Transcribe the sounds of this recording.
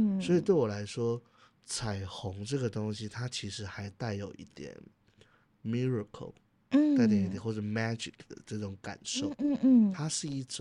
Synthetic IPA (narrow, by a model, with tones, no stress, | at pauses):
swɔ˧˥i˨˩t̪we˥˩ɪwɔ˨˩la˧˦˥ɪʂwɔ˥ | t͡sʰa˨˩ɪxʊ˧˦˥ŋʈ͡ʂɤ˥˩ɡə˩t̪ʊ˥ŋɕi˦t̪ʰa˥t͡ɕʰi˧˥ʂɻ̩˧˥xa˧˥ɪt̪a˥˩ɪjo˨˩ʊʔḭ˥˩t̪jɛ̰˨˩˦n | mi˥ɹə˨˧kʰə̰˨˩l | t̪a˥˩ɪt̪̬ji˥˩˨nxwɔ˥˧˩ʈ͡ʂ̩˥˩mæ˥d͡ʒi˨kd̪̥ə̰˨˩ʈ͡ʂɤ˥˩ʈ͡ʂʊ˨˥ŋka̰˨˩nʂo˥˩ʊt̪ʰa˥ʂɻ̩˥˧i˥˩ʈ͡ʂ